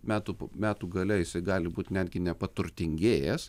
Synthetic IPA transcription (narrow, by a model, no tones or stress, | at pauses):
mʲæːt̪upmʲæːt̪uːɡɐlʲɛjɪsɐɪɡɑːlʲɪbuːt̪ʲnʲæːd̪ʲɡʲɪnʲɛpɐt̪ʊɾʲt̪ʲɪŋʲɡʲeːjɛs